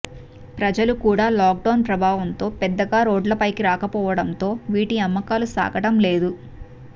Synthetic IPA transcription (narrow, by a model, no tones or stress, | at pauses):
pɾɐd͡ʒɐlukuːɽaːlaːk̚ɖɐwnpɾɐbʱaːʋɐnt̪o̞ːpɛd̪ːɐɡaːɾo̞ːɖlɐpɐjkiɾaːkɐpɔːʋɐɽɐnt̪o̞ːʋiːʈiɐmːɐkaːlusa̰ːɡɐʈɐmle̞ːd̪u